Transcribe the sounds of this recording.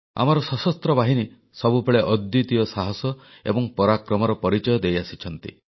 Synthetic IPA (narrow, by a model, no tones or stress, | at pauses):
a̰mɔɾɔsɔsɔst̪ɾɔbaɦini | sɔbupeɭeʔɔd̪jut̪ijɔsaɦɔsɔ | ḛbɔŋpɔɾakɾɔmɔɾɔpɔɾit͡ʃɔjɔd̪ejasit͡ʃʰɔn̪t̪ḭ